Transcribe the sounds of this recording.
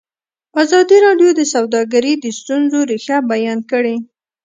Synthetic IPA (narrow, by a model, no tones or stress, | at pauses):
azɑd̪iɾɑɖjod̪əsawd̪ɑɡaɾid̪əst̪unzoɾixabajɑnkəɽe